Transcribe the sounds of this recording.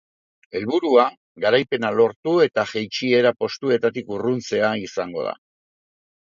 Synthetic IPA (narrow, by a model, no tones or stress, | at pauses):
e̞lβuɾua | ɡaɾajpe̞nalo̞ɾt̪ue̞t̪aʝejt͡ʃie̞ɾapo̞st̪ue̞t̪at̪ikurunt͡se̞aisaŋɡo̞ða̰